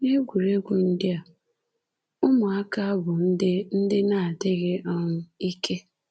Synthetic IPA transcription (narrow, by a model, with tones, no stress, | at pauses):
ne˦ɡʷu˨ɾe˦ɡʷu˨n̩˦dɪ˦a˨ | ʊ˦mʊ˨a˦ka˦a˦bʊ˨n̩˦dɪ˦n̩˦dɪ˦na˦˨a˨te˦ɣe˦ʔɔ˦nʊ˦i˦ke˦